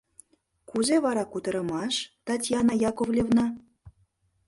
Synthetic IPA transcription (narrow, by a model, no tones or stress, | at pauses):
kuzeβɑɾɑkut̪ə̆ɾə̆mɑʃt̪ɑtʲjɑnɑjɑkovlʲevnɑ